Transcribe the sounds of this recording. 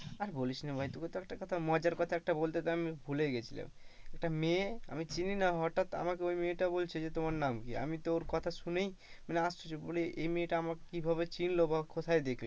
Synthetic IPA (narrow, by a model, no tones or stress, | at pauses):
aɾbolit͡ʃʰnebʱajt̪uket̪ɔek̚ʈakɔt̪ʰamɔd͡ʒəɾkɔt̪ʰaek̚ʈabolt̪et̪ɔamibʱuleɡet͡ʃʰilḛ | ɛk̚ʈamea̰mit͡ʃininaɦɔʈat̪a̰makeoimẽʈabolt͡ʃʰed͡ʒet̪omaɾnamkia̰mit̪ooɾkɔt̪ʰasunej | mɛneast͡ʃʰut͡ʃʰiboleʔemẽʈaamakibʱaβet͡ʃinlobakot̪ʰajd̪ekʰl